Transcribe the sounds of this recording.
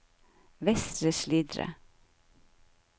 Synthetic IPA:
ʋɛst̪ɾəʃliːd̪ɾə̰

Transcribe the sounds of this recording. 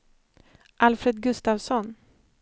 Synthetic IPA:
ʔalfɾed̪̚ɡɵst̪aːvsɔn

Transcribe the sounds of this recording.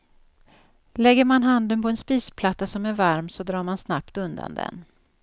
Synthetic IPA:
lɛɡːəɾmanɦand̪ənpɔɛnspiːspʰlat̪ːasɔmæɾvaɾmsɔd̪ɾɑːɾmansnapt̪ɵnd̪a̰nd̪ɛ̰n

